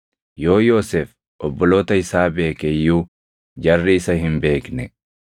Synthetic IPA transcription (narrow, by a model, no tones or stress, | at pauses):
jo̞ːjo̞ːsɛf | ʔɔbːɔloːt̪ɐɪsaːbe̞ːkɛjːuː | d͡ʒɐrːɪɪsɐɦɪmbe̞ːknɛ